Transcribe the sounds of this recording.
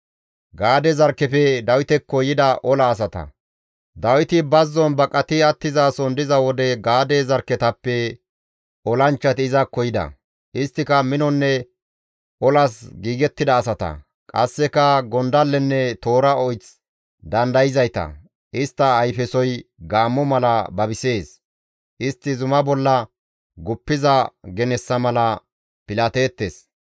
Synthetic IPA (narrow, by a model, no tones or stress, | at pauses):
ɡaːd̪ɛzɐɾkːɛfɛd̪ɐwɪt̪ɛkːɔjɪd̪ɐʔɔlɐːs̬ɐt̪ɐ̰ | d̪ɐwɪt̪ɪbɐzːɔnbɐkʼːɐt̪ɪɐt̪ːɪzasɔnd̪ɪzɐwɔd̪ɛɡaːd̪ɛzɐɾkːɛt̪ɐpːɛ | ɔlɐnt͡ʃːɐt̪ɪɪzɐkɔjɪd̪ɐ̰ | ɪst̪ːɪkɐmɪnɔnːɛ | ʔɔlɐsɡiːɡɛt̪ːɪd̪ɐːsɐt̪ɐ̰ | kʼɐsːɛkɐɡɔnd̪ɐlːɛnːɛt̪o̞ːɾɐɔjt͡s | d̪ɐnd̪ɐjɪzɐjt̪ɐ̰ | ʔɪst̪ːɐːjfɛsɔjɡaːmːɔmɐlɐbɐbɪse̞ːs | ʔɪst̪ːɪzʊmɐbɔlːɐ | ɡʊpːɪzɐɡɛnɛsːɐmɐlɐ | pɪlaːt̪eːt̪ːes